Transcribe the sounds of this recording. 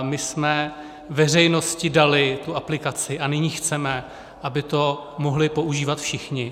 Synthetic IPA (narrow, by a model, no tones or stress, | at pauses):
mɪsmɛ | vɛr̝ɛjno̞scɪdalɪt̪uaplɪkat͡sɪʔanɪɲiːxt͡sɛmɛ | ʔabɪt̪o̞moɦlɪpo̞ʔuʒiːvat̪fʃɪxɲɪ